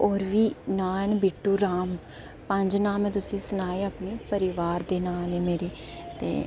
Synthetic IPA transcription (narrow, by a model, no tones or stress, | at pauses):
ɔːɾʋiːnaːɳbɪʈːuːɾaːm | pəɲd͡ʒnaːmːɛ̃ːt̪̬ʊsĩːsənaːeːapniːpəɾɪʋaːɾd̪eːnãːneːmeːɾiː | t̪ḛː